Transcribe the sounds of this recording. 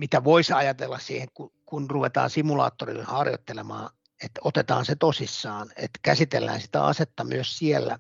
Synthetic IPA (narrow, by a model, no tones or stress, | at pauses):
mit̪æʋoisɑjɑt̪elːɑssiːheŋkukunruʋet̪ɑ̰ːnsimulɑ̰ːt̪ːorḭlːhɑrjo̰t̪ːelemɑː | et̪ot̪et̪ɑːnset̪osisːɑːnḛt̪kæsit̪elːæ̰ːnsi̥t̪æ̰ɑ̰set̪ːɑmyøssielːæ